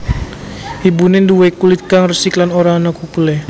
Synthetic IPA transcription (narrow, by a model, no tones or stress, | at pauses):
hibunɪnduwekulit̪̚kaŋrəsiklanoɾanakukulɛ